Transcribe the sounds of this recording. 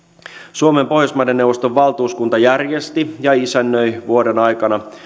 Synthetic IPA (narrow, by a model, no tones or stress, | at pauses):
suomempo̞hjosmɑjdenːewʋost̪oʋːɑlt̪uːskunt̪ɑjærjest̪ijɑisænːøjʋuode̞nɑjkɑnɑ